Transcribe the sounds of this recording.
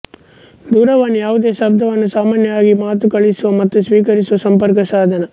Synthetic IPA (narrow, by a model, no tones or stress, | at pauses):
d̪uːɾɐʋɐnːujaːʋud̪e̞ːʃɐb̚d̪ʱɐʋɐnːusaːmaːnjɐaːɡimaːt̪ukɐɭisuʋɐmɐt̪ːusʋiːkɐɾisuʋɐsɐmpɐɾkɐsaːd̪ʱɐnɐ